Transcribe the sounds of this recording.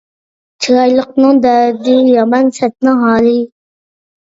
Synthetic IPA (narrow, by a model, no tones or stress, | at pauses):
t͡ʃʰiɾɑjlˠəqnɨŋd̪æd̪ɪjɑmɑnsɛt̪̚nɪɦɑːlˠɨ